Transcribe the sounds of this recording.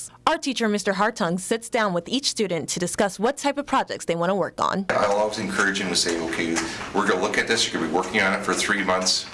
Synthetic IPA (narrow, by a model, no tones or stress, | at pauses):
ʔaʊə˞tʰit͡ʃə˞mɪstə˞ɦɑɹtʰʌ̃ŋsɪtsd̥ãʊ̃nwɨðit͡ʃstʉdⁿn̩tʰɨdɨskʌswʌtʰaɪpʌv̥pʰɹ̥ɑd͡ʒɛ̰k̚tsðeɪwɑ̃ɾ̃əwɜ˞kn̩a̰ɪlˠɔlˠwizɨ̃nkʰɜ˞ɨd͡ʒɨ̃ŋtɨseɪoʊkʰeɪzwɪɹɡʌnəlʊkɨt̪̚ðɪsjəɹɡʌnbiwɜ˞kɪ̃ŋɨ̃nɨtfə˞θɹimʌ̃nθs